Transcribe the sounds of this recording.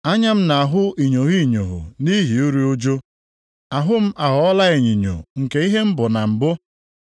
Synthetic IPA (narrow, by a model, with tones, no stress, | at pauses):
a˦ɲa˦m̩˦na˨a˨ɦʊ˦i˨ɲo˨ɦi˦i˨ɲo˨ɦʊ̰˨ni˦ɦi˨u˦ɾi˦o˦d͡ʒo˦ | a˨ɦʊ˦m̩˦ʔa˨ɦɔ˨˦ɔ˦la˦e˨ɲi˨ɲo̰˨ŋ̩˨ke˨i˦ɦe˦m̩˦bʊ˨na˨m̩˨bʊ˦